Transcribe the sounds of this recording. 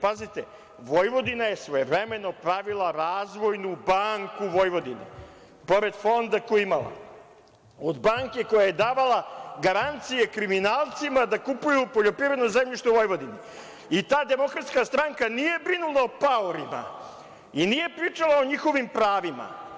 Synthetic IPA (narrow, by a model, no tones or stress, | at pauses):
pazit̪e | ʋo̞jʋo̞d̪inaje̞sʋojeʋɾeme̞no̞pɾaʋilˠaɾaːzʋo̞jnubaŋkuʋo̞jʋo̞d̪inḛ | po̞ɾe̞d̪fo̞nd̪akoimalˠa̰ | od̪baːŋke̞ko̞jaje̞d̪aːʋalˠaɡaɾant̪sijekɾiminaːlˠt̪simad̪akupujupo̞ʎo̞pɾived̪nozemʎʲiʃt̪oʋo̞jʋo̞d̪ini | it̪aːd̪e̞mo̞kɾat̪skast̪ɾaŋkanije̞bɾinulˠaopaoɾima̰ | inije̞pɾiːt͡ʃalˠao̞ɲixo̞ʋimpɾaːʋima̰